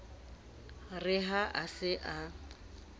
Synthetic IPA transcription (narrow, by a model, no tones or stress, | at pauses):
rɪɦaʔasɪʔa